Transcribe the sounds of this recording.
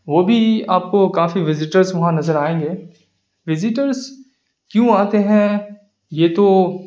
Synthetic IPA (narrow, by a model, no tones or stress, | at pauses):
ʋoːbʱiaːp̚kokaːfiʋɪzɪʈəɾzʋɐɦãnɐzəɾaːẽːŋɡeː | ʋɪzɪʈəɾz | kjũaːt̪eɦɛ̃ | jeːt̪o